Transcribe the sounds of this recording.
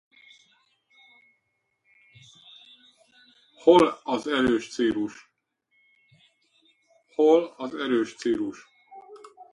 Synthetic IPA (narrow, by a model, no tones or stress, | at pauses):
holɒzɛɾøːʃt̪seːluʃ | holɒzɛɾøːʃt̪siːluʃ